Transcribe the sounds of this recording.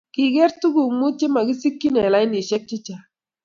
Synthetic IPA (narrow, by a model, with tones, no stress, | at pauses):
ki˨ɡɛ˦ɾtu˦ɡu˨mu˦t͡ʃɪ˦ma˨ɡi˦si˦kːi˦nɛ˨la˦ɪ˦ni˨ʃɛ˦k̚t͡ʃɪ˦t͡ʃa˨